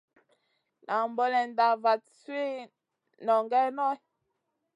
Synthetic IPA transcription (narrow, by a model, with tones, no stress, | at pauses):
nʔa˨mbɔ˦lɛ˨n˨da˨va˨t̚se˦ | nɔ˨ŋɡɛ˦nɔ˦j